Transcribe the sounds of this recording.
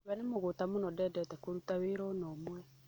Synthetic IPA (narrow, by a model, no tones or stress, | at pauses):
wɛnemoɣotamonɔdɛdɛtɛkoɾutaweɾɔnɔmwɛ